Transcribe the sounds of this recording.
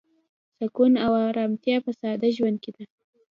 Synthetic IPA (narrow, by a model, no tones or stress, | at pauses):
sakunawaɾɑmt̪jɑpasɑd̪aʒwand̪̚ked̪a